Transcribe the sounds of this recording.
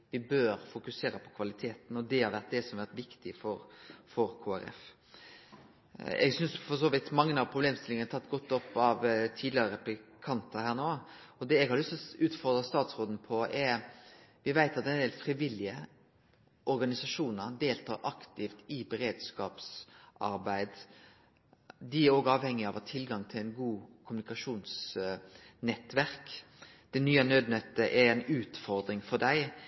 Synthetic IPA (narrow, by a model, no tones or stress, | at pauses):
ʋɪbøːɾfʊkʉseːɾəpʰɔ̥kʰʋɑlɪt̪ʰeːt̪n̩ɔd̪ɛhɑɾʋæʁt̪̚d̪ɛsɔmʋæɾt̪ʋɪkt̪ɪfɔɾfɔɾkʰoːæɾɛ̰f | ɛ̰ɡsʏnsfɔs̬oːʋɪt̪mɑŋːənɑʋpʰɾʊbleːmst̪ɪlɪŋənət̪ʰɑt̪ːɡɔt̪ːɔpːɑʋt̪ʰiːd̪lɪɑɾəpɪkʰɑnt̪əhæːɳoː | ɔd̪ɛɛɡhɑɾlʏst̪ɔʉːt̪fɔɾd̪ɾəst̪ɑːt̪sɾoːd̪n̩pʰɔɛɾʋɪʋæɪt̪ɑt̪d̪ɛnd̪eːlfɾiʋɪlɪə | ʔɔɾɡɑnɪsɑʂuːnəɾd̪eːlt̪ʰɑ̰ːɾʔɑkt̪ɪft̪ɪbɛɾeːd̪skɑːpsʔɑ̰ɾbæɪd̪ | d̪ɪæɾoːɡɑːʋhɛŋːɪɑʋɑt̪ʰɪlɡɑŋt̪ʰɪlæɪnɡuːkʰʊmʉnɪkɑʂuːns | nɛt̪ːʋæʁk | d̪̥ɛnyːɑnøːd̪nœt̪ːəʔɛɾɛnʉːt̪fɔɾd̪ɾɪŋfɔd̪æɪ